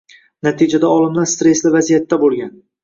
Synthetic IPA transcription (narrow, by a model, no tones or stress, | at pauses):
nat̪ʰid͡ʒad̪aɒlˠɪmlaɾst̪ɾe̞slɪvazijat̪ʰːabolˠɡʲan